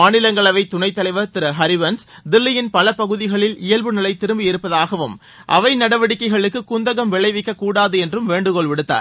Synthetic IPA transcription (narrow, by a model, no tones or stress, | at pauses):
aːnɪlɐŋɡɐɭɐʋɐɪt̪ːʊɳɐɪt̪ːɐlɐɪʋɐɾt̪ɪɾɐɦɐɾɪʋɐns | d̪ɪlːɪjɪnpɐlɐpɐɣɯðɪɣɐɭɪlɪjɐlbɯnɪlɐɪt̪ɪɾɯmbɪjɪɾɯpːɐðaːɣɐʋɯm | ʔɐ̰ʋɐɪnɐɽɐʋɐɽɪkːɐɪɣɐɭɯkːɯkːʊnd̪ɐɣɐmʋɪɭɐɪʋɪkːɐkːuːɽaːðɯɛndrɯmʋeːɳɖɯkɔɭʋɪɽɯt̪ːa̰ːɾ